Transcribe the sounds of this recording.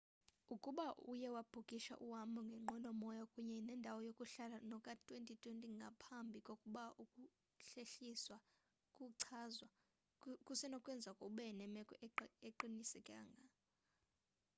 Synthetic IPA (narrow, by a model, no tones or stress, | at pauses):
ukʼuɓaʔujɛwab̥ʱukʼiʃa̰ʔuwamuŋɡʱɛŋ͡ǃʱɔlɔmɔjɔkʼuɲɛnɛndʱawɔjokʼuɬalanɔkʼatʼwentʼitʼwentʼiŋɡʱapʰambʱikʼokʼuɓaʔukʼu | ɬeɬiswa | kʼuǀʰazwa | kʼusɛnɔkʼwɛnd͡zʱakʼuɓɛnɛmɛkʼɔeǃinisɛkʼaːŋɡʱa